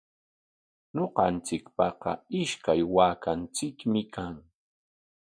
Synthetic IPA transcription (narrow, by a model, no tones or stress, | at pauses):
ɲoqɑnt͡sɪkpɑqɑ̰ɪʃkajwaːkant͡sɪkmɪkʰaŋ